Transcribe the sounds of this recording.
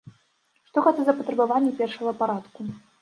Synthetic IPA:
ʂt̪ɔxat̪ɛzɐpɐt̪ɾɐbavanʲːɛpʲɛrʂɐɣɐpaɾat̪ku

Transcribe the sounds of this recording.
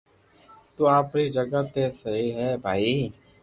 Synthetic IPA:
t̪uːaːpɾiːd͡ʒəɡat̪eːsəɦiːɦɛːbʱaːiː

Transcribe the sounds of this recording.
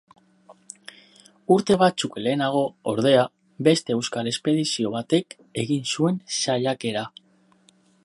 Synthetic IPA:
uɾt̪e̞β̞at͡sukle̞ːnaɣ̞o̞oɾðe̞a | be̞st̪e̞ewskale̞spe̞ðisio̞β̞at̪e̞k | e̞ɣinsue̞nsaʎake̞ɾa

